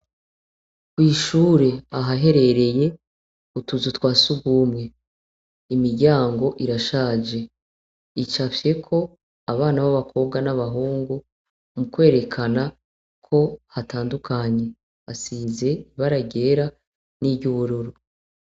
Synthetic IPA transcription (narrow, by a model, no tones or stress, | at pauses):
kwiːʃuːɾe̞aɦaɦe̞ɾe̞ɾe̞je̞ | kutuzutwaːsuɡuːmŋe̞ | imiɾɟaːŋɡo̞ʔiɾaʃaːd͡ʒe̞ | it͡ʃafje̞kʰo̞ | aβaːnaβaβakʰo̞βɡanaβaɦuːŋɡu | mukwe̞ːɾe̞kʰana | kʰo̞hataːndukʰaɲe̞ | asize̞iβaɾaɟe̞ɾa | nibɟuβuɾuɾu